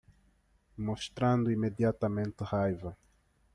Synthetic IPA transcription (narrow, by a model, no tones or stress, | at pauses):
moʃt̪ɾãnd̪ʊimed̪jat̪ɐmẽnt̪ɪʁajvɐ